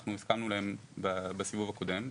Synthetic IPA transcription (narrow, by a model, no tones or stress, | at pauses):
χnuiskamnulahe̞mbabesivuvako̞dem